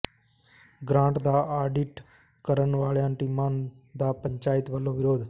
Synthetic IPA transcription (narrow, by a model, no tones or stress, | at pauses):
ɡɾãːɳʈd̪aːaːɖɪʈ | kəɾənʋaːɭjãːʈiːmãːn | d̪aːpəɲt͡ʃaːɪt̪ʋəlõːʋɪɾoːd̪